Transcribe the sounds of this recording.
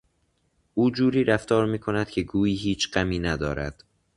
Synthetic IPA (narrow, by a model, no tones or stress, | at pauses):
ʔuːd͡ʒuːɾiːɾæft̪ʰɒːɾmiːkʰo̞næd̪̥cʲʰe̞ɡuːiːɦiːt͡ʃʰɢ̥æmiːnæd̪ɒ̰ːɾæ̰d̪̥